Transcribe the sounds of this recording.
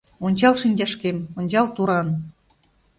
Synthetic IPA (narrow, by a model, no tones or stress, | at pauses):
onʲt͡ɕɑlʃinʲd͡ʑɑʃkemonʲt͡ɕɑlt̪uɾɑn